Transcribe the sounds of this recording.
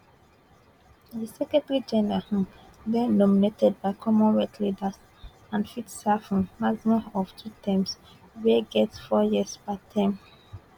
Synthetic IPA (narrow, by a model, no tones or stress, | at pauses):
ðisɛkɛtaɹid͡ʒɛnəɹah | bɛ̃nɔminetʰɛd̚baɪkʰɔmɔ̃nwɛtʰlidəs | ãnfitsafɔ̃mmaɡmaɔftʰutʰɛ̃ms | weɡɛtsfɔjiəspatʰãɪ̃m